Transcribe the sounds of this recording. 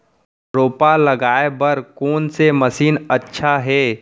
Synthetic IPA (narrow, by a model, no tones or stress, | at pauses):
ɾoːpalɐɡaːebɐɾkoːnseməsiːnɐtːʃʰaɦɛː